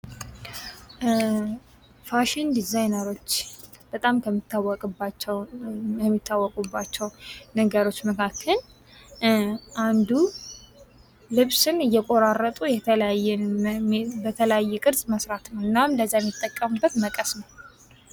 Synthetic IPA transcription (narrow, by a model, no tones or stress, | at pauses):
faʃɪnd̪izajnəɾo̞t͡ʃː | b̥ət̪ʼamkʰəmːit̪ːawːɔkʼbat͡ʃːɛwjɛmːit̪ːawːɔkʼubːat͡ʃːɛwnəɡəɾo̞t͡ʃːməkʰakʰːəl | ʔand̪u | lɨβsɨnɨjːɛkʼo̞ɾarːət̪ʼujɛələjajːɛn | bət̪ʰələjajːɛkʼɨɾzʼməsɾat̪nəwɨnːamləzːajɛmːit̪ʼːəkʼːəmubːət̪məkʼəsnəw